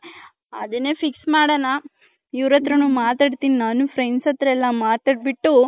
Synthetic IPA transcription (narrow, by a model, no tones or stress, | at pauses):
ɐd̪ɐnːeːpʰiksmaːɽɐnɐ | iʋɾɐt̪ɾɐnuːmaːt̪aːɖt̪iːninaːnupʰɾensɐt̪ɾɐɛlːɐmaːt̪aːɖ̚biʈːu